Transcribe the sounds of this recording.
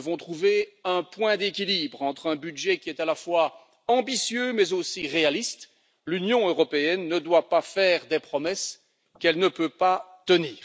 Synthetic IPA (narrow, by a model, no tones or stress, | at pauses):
vɔ̃t̪χuveɛ̃pwɛ̃d̪ekʲilibʁɑ̃t̪χɛ̃byd̪ʒɛkʲiɛt̪alafwa | ɑ̃bisjømɛzosiʁealist̪ | lynjɔ̃øʁɔpeɛnːəd̪wapafɛːʁd̪epχɔmɛs | kɛlnəpøpat̪əniːʁ